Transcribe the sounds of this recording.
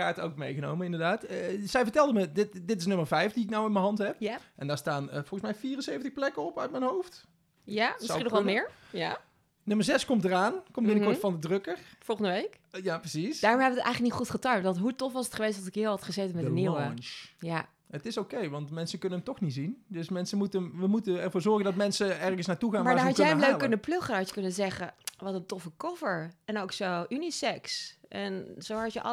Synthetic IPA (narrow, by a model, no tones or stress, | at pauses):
aːto̰wkmejχəno̰wmənɪndəɹdaːtːzɛjvəɹtɛlˠdəmədɪtdɪtɪsnɵməɹvɛjfdiɪknawɪnməɦɑntɦɛpjaʔɛndaːɹstaːnəvɔlˠəsmɛjfiːrənsejvəntəχxplɛkəɔpœɥt̚mɛnɦowft | jamɪsinɔχʋɑmɪːɹja | nɵməɹzɛskɔmtəraːnkɔmbɪnəkɔɹtfɑndədrɵkəɹfɔlˠχəndəʋejk | japrəsisdaːɹɔ̃mɦɛbʋətjxələknitχutχətœjmtʋɑntɦutɔfʋɑsətχəʋejstdɑtɪkɦɪːlˠɦɑtχəzejtənmɛdəniwəja | ətɪsokejʋɑntmɛnsəkɵnənəmtɔχnitzindɵsmɛnsəmutəəmʋəmutəɛɹvʊːɹzɔɹχəndɑtmɛnsəɛɹχəsnaːɹtuχaːnmaːɦɑjɛjɛmløɥkkːønəpløχənɑtjə̥kɵnəzɛχəʋɑtəntɔfəkɔfəɹɛnowksoʔynisɛksʔɛnzowɦɑtjəʔɑ̰